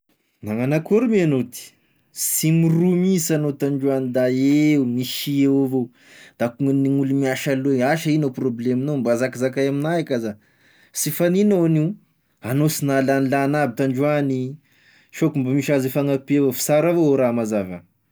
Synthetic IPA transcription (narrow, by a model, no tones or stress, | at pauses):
naŋanakuɾumianot̪i̥ | simirɾumisanot̪aɳɖ͡ʐuanid̪aeumiʃiewavo | d̪̥akuŋaniŋulumiaʃalueaʃainoprobleminombazakizakajaminaakaza | sifaninoni | anosinalanilanabit̪aɳɖ͡ʐuani | ʃokumbamiʃazifaŋapiavofi̥saɾavooɾamazavə̰